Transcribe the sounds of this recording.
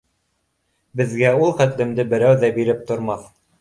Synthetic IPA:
bɘ̆ðɡæulˠχæt̪lɘ̆md̪ɘbɘ̆ɾæwðæbiɾɘp̚t̪ŏɾmɑθ

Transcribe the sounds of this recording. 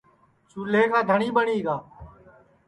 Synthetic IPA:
suːleːkaːd̪ʱəɳiːbəɳiːɡaː

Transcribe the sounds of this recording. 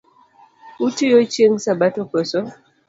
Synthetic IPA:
utijot͡ʃeŋsabatɔkɔsɔ

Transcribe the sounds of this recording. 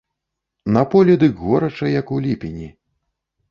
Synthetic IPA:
napɔlʲɛd̪ɨɣɔɾɐt͡ʂɐjɐkulʲipʲinʲi

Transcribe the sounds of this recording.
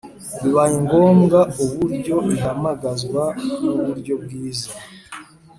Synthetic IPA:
βiβajiŋɡo̞ːmɡauβuɾɟo̞iɦamaɡazɡwanuβuɾɟo̞bɡiːza

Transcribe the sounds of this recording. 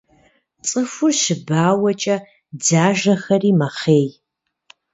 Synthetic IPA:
t͡sʼɨfʊrɕɪbaːwɐt͡ʃʼɐ | d͡zaːʒɐxɐriːmɐχeːj

